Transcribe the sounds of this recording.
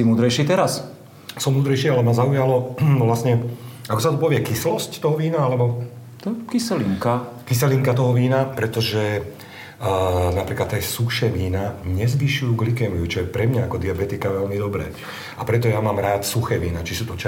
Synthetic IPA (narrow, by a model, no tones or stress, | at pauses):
imuːd̪ɾɛjʃit̪ɛɾas | sɔmuːd̪ɾɛjʃialɛmazaujalɔʋlasɲɛakɔsat̪ɔpɔʋɪɛkislɔsct̪ɔɦɔʋiːnaalɛbɔ | t̪ɔkisɛliŋkakisɛliŋkat̪ɔɦɔʋiːnapɾɛt̪ɔʒɛ | napɾiːklat̪ːɛːsuxʃɛːʋiːnaɲɛzʋiʃujuːɡlikɛmiut͡ʃɔjɛpɾɛmɲaakɔd̪iabɛt̪ikaʋɛlmid̪ɔbɾɛ̰ː | apɾɛt̪ɔjamaːmɾaːt̪suxɛːʋiːnat͡ʃisuːt̪ɔt͡ʃ